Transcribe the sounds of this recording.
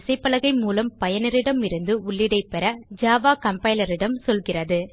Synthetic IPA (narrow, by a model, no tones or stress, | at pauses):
ɪsɐɪpːɐlɐɣɐɪmuːlɐmpɐjɐnɪɾɪɽɐmɪɾɯnd̪ɯʊɭːɪɽɐɪpɛɾɐd͡ʒaːʋaːkɐmpɐɪlɐɾɪɽɐmsɔlɣɪrɐðɯ